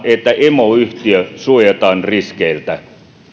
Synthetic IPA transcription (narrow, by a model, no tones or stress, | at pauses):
ʔet̪ːæʔemoyht̪iøsuojet̪ɑːnriskeilt̪æ